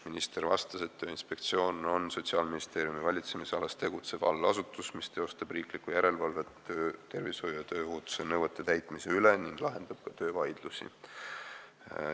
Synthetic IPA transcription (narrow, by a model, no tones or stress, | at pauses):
minist̪e̞rvɑ̰st̪ɑse̞t̪ːøːinspe̞k̚t̪sio̞ːno̞nso̞t̪siɑːlminist̪e̞ːɾijumivɑlʲit̪se̞miseɑlɑst̪e̞ɡ̥ut̪se̞b̥ɑ̰lːɑsut̪ːˑusmist̪ejo̞st̪ɑb̥riːklikːˑujæɾe̞lvɑlve̞øːt̪e̞rvisho̞jujɑt̪øːuːt̪ːu̥senɤwvet̪ːˑet̪æjt̪ˑmise̞yle̞niŋɡ̥lɑɦe̞nd̪̥ɑb̥̚kɑt̪ø̞ːvɑjd̪̥lusḭ